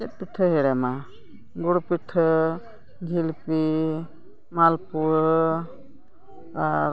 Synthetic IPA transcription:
ɛt̚piʈʰəɦeɽɛma | ɡuɽpiʈʰə | ɡʱilpi | malpu | aɾ

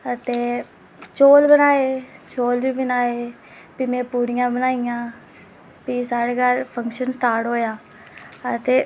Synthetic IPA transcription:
ət̪eː | t͡ʃoːlbənaːeːt͡ʃoːlbiːbənaːeː | piːmɛ̃ːpuːɽɪjãːbənaːijãː | piːsaːɽeːkəɾpʰəŋkʃənsʈaːɾʈɦoːjaː | ət̪eː

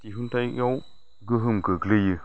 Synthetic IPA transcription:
tiɦuntajʔaw | ɡəɦɨmɡəɡleji

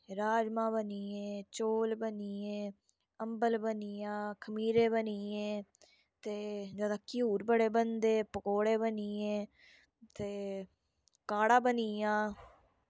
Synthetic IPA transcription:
ɾaːd͡ʒmãːbəniːẽːt͡ʃoːlbəniːẽː | əmbəlbəniãːkʰəmiːɾẽːbəniːẽː | t̪eːd͡ʒaːd̪aːkɪuːɾbəɽeːbənd̪eːpəkoːɽeːbəniːẽː | t̪eː | kaːɽãːbəniːãː

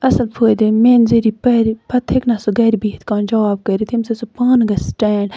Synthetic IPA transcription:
ɐsɐlpʰoːd̪emeːnzeɾipɐɾpɐt̪ʰːeknɐsuɡɐːɾibiːt̪ʰkãːnd͡ʒɐʋaːb̚kɐɾit̪ʰimsɐsupaːnɡɐsʈɛːɖ

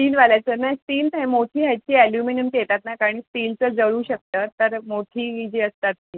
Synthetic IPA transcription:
ʈiːlʋalat͡sənasʈiːlt̪ẽmoʈʰiːɦjat͡ɕiːɛljuminəmket̪at̪nakaɽ̃iːsʈiːlt͡səd͡zəɭuːɕək̚t̪əːt̪əɾmoʈʰiːid͡ʑiəst̪at̪̚nĩ

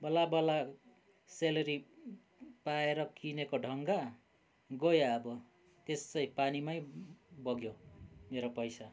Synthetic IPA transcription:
bʌlabʌla | selʌɾi | paeɾʌkʰinekoɖʱʌŋɡa | ɡojaʌbʌ | t̪est͡sʌjpanimajbʌɡjomeɾopʌjsa

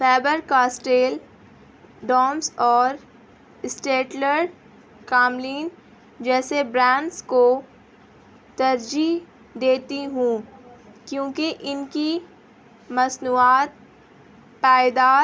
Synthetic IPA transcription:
fɛːbəɾkaːsʈeːl | ɖɔːmsɔːɾ | ɪsʈeːʈləɾɖ | kaːmliːn | d͡ʒɛːsebɾãːɳɖsko | t̪ɐɾd͡ʒi | d̪eːt̪iɦũːkjõːkeʔɪnki | mɐsnuːaːt̪̚ | paːɪd̪aː

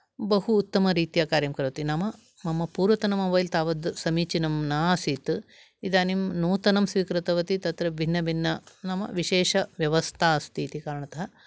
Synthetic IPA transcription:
bɐɦuːt̪ːɐmɐɾiːt̪ijaːkaːɾjɐmkɐɾɐʋɐt̪inɐmɐ | mɐmɐpuːɾʋɐt̪ɐnɐmɐʋɐjlt̪aːʋɐd̪sɐmiːt͡ʃinɐmnaːsiːt̪ | id̪aːnimnuːt̪ɐnɐmsʋiːkɾɨt̪ɐʋɐt̪it̪ɐt̪ɾɐbʱinːɐbʱinːɐnɐmɐ̰ʋiʃeːʃɐʋjɐʋɐst̪ʰaːst̪ʰiːt̪ikaːɾɐɳɐt̪ɐɦɐ

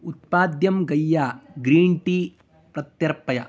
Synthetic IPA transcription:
ut̪̚paːd̪jɐmɡɐjːaːɡɾiːɳʈiː | pɾɐt̪jɐɾpɐjɐ

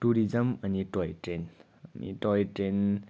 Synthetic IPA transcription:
tuɾizɐmɐnitɔjtɾen | nḭtɔjtɾen

